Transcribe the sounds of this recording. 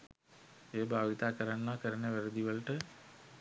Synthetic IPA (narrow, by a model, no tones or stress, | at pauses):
eːbʱaːɡit̪aːkəɾanːakəɾəneʋæɾəd̪iʋəlʈə